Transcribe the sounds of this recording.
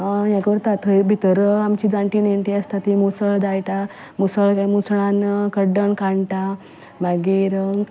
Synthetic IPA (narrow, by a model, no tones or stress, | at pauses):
əjãkʋəɾt̪at̪ʰəjbʱit̪əɾəamt͡ɕiːd͡zaɳʈiːneɳʈiəst̪at̪imusəɭd̪ajʈa | musəɭkamusɭanəkəɖəɳkaɳʈa | maɡiɾ